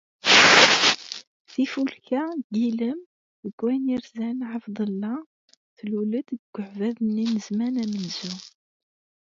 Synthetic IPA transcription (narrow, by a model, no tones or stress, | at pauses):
θifulkæɡiləm | ðəɡwæniɾzænʕəfd̪ˤəlːɑ | θlulət̪ɡɡ̥ːʊʕvæðənːinəzmænæmənz̥u